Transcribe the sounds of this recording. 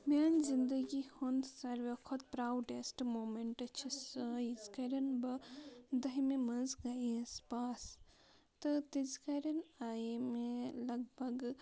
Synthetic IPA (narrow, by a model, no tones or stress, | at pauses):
manzind̪əɡihɔnsɐɾʋekʰɔt̪̚pɾawɖesʈmomeɳʈɐt͡ʃʰisəjizkɐɾɐnbɐd̪ɐɦmemɐzɡɐjespas | t̪ɨt̪izkaɾɐnajmelɐɡbʱɐɡ